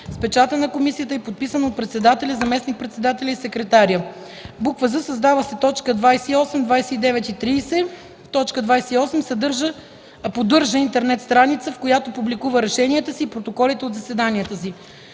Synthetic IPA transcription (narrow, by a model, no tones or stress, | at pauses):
spɛt͡ʃat̪ənɐkomisijət̪əɛpot̪̚pisənot̪̚pɾɛt̪sɛd̪at̪ɛlʲəzɐmɛsnik̚pɾɛt̪sɛd̪at̪ɛlʲəisɛkɾɛt̪aɾʲjə | bukvəzəsɐzd̪avəsɛt̪ɔt͡ʃkəd̪vajsɛiɔsɛmd̪vajsɛid̪ɛvɛt̪it̪ɾiːsɛ | t̪ɔt͡ʃkəd̪vajsɛiɔsɛmsɐd̪ɤɾʒəː | pod̪ɤɾʒəint̪ɛɾnɛt̪st̪ɾanit̪səfkojat̪opublikuvəɾɛʃɛniɛt̪əsiːpɾot̪okɔlit̪ɛod̪zɐsɛd̪aniət̪əsi